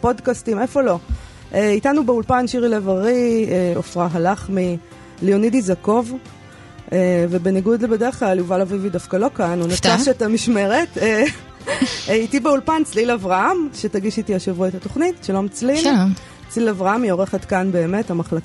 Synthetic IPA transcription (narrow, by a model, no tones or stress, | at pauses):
po̞dkastimefo̞lo̞ | ʔeitanubeulpanʃiʁilevaʁieofʁaɦalaχmi | lionidizako̞v | evebe̞niɡud̪lbedeʁeχklaljuvalavividafkalo̞kanunataʃetamiʃme̞ʁete | itibeulpant͡slilavʁahamʃetaɡiʃitiaʃevuetato̞χnitʃalo̞mt͡slil | t͡slilavʁaamio̞ʁe̞χetkanbe̞ːme̞tamaχlaka